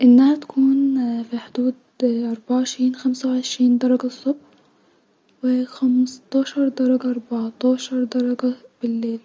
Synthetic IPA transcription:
ʔɪnːaːɾt̪ḁkʰuːnfiħʊd̪uːd̪ | ʔɑɾˤbaʕɪʃɾiːnxamsawʕɪʃɾiːnd̪ɑɾˤɑɡasˤːʊbħ | wɪxamst̪ɑːʃɑɾˤd̪ɑɾˤɑɡaʔɑɾˤbɑʕt̪ˤɑːʃɑɾˤd̪ɑɾˤɑɡab̥ɪlːeːl

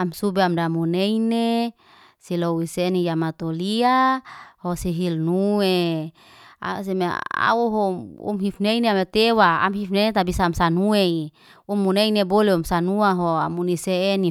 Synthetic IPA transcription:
amsubeamdamuneine | silowisenijamat̪oliahosiɦilnue | a̰s̬emea̰uɦoṵmɦifneineamet̪ewaa̰mɦifnenet̪abisaːmsanuei | umːuneineboleumsanuaɦoamuniseːni

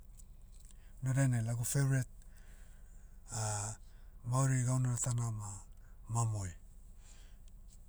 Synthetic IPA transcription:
noɾenelaɡufeɾet̚ | a | mawɾiɡawnaatanama | mamoj

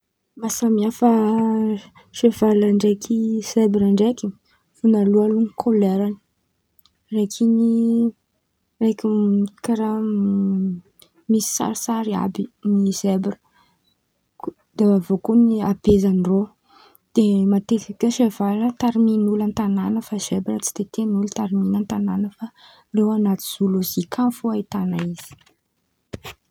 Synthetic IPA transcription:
masamiafə | ʃevalaɳɖ͡ʐekʰisebɾaɳɖ͡ʐekʲi | funalualuŋikʰoleɾani̥ | rekʰini | rekʲukaɾa | misi̥sa̰ɾisaɾia̰binizebrə̥ | d̪̥eavokoniabezaniro | d̪̥emat̪ekakəʃevaɾət̪aɾiminulant̪ananəfaz̥ebiɾət͡si̥t̪et̪enult̪aɾiminant̪ananəfa | rewanat̪i̥z̥uluzikʰanfuait̪anaiz̥i̥

